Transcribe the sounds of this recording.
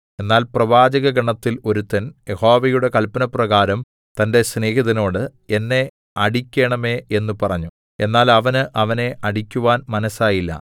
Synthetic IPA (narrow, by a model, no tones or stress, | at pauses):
e̞nːaːlprɐʋaːd͡ʑɐɣɐɡɐɳɐt̪ːilo̞ɾut̪ːɐnje̞ho̞ːʋɐjuɽe̞kɐlpɐnɐprɐɣaːɾɐm | t̪ɐnde̞sneːɦiðɐno̞ːɽɨe̞nːe̞ | ɐɽikʲːe̞ːɳɐme̞e̞nːupɐrɐɲːu | e̞nːaːlɐʋɐnɨʔɐʋɐne̞ʔɐɽikʲːuʋaːnmɐnɐsaːjilːɐ̰